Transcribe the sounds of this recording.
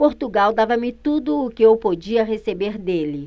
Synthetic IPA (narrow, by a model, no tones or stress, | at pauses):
poɾt̪uɡawd̪avɐmɪt̪ud̪ʊːkɪewpod͡ʒiɐʁesebeɾd̪elɪ